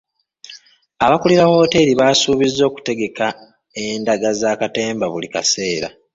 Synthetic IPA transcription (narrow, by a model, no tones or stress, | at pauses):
aβakuliɾawo̞ːte̞ɾiβaːsuːβizːo̞ːku̥te̞ɡe̞ka | endaɡazaːkate̞ːmbaβulika̰se̞ːɾa̰